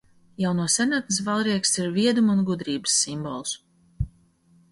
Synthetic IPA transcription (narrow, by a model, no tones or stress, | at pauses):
jawnuɔsɛɾnat̪̚nisvalˠɾiɛksiɾviɛd̪umunɡud̪ɾiːbɨ̥sːimbɔlˠs